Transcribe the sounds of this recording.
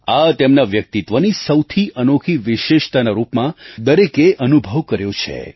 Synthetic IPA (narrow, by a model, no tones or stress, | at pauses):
at̪emnaʋjək̚t̪it̪ʋənisəwt̪ʰiʔənokʰiʋɪʃeʃt̪anaɾupmãd̪əɾekeʔənubʱəʋkəɾjot͡ʃʰḛ